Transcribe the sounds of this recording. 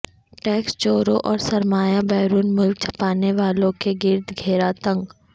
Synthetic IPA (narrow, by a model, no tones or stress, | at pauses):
ʈɛːkst͡ʃoːɾõʔɔːɾsɐɾmaːjabɛːɾuːnmʊlk̚t͡ʃʰɐ̥paːneʋaːlõkeɡɪɾd̪ɡʱeːɾat̪ə̃ŋɡ